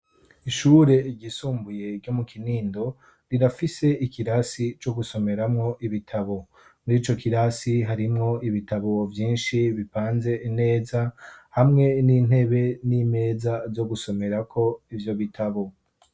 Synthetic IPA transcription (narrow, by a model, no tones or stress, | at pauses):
iʃuːɾe̞ɟisuːmbuje̞ɾɟo̞mukʰiniːndo̞ | ɾiɾafise̞ikiɾasit͡ʃo̞ɡuso̞me̞ɾamŋo̞ʔiβitʰaβo̞ | muɾiːt͡ʃo̞kiɾasiɦaɾimŋo̞iβitaβo̞vjiːnʃiβipaːnze̞ine̞ːzahamŋe̞nin̥he̞βe̞nime̞ːzazo̞ɡuso̞me̞ɾakʰo̞ivjo̞βitʰaβo̞